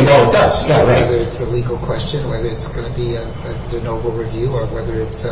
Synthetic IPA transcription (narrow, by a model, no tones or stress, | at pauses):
ɨnoʊæawɛðə˞ɨtsəliɡl̩ˠkʰw̥ɛst͡ʃɨ̃nwɛðə˞ɨtsɡ̥ʌnɨbi | ɨðɨnoʊvəl̩ˠɹivjʉə˞wɛðə˞ɨts